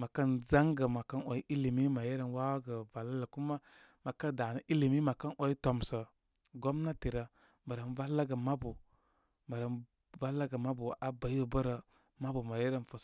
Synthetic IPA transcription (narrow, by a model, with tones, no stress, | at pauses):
ma˨kə˦nza˦ŋɡə˨ma˨ka˦no˨i˦ʔi˦li˨mi˦ma˨je˦ɾə˨nwa˦wa˦ɡə˨va˨lːa˦lə˨ku˦ma˦ | ma˨ka˦da˨nə˦ʔi˦li˨mi˦ma˨ka˦nʔo˨i˦to˨msə˨ | ɡo˦mna˦ti˨ɾə˨ | mə˨ɾə˨nva˦lːa˦ɡə˨ma˦bu˨ | mə˨ɾə˨n | va˦lːa˦ɡə˨ma˦bu˨ʔa˨ba˨jo˨bə˦ɾə˨ | ma˦bu˨ma˨je˦ɾə˦nfo˨˦